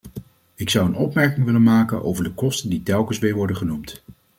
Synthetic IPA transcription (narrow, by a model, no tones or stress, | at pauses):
ɪksʌwənɔpmɛɹkɪŋʋɪlənmaːkənʔo̰wvəɹdəkɔstənditɛlˠkənsʋɪːɹʋɔɹdəχənumt